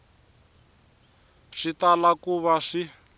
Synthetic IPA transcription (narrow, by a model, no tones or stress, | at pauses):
ʂitalakuβaʂi